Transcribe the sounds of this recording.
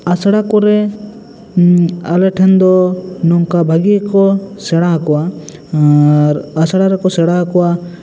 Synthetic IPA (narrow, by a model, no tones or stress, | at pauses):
asɽakɔɾɛ | alɛʈʰɛnd̪ɔnɔŋkabʱaɡikɔsɛɽakɔa | ɾasɽaɾɛkɔsɛɽakɔwa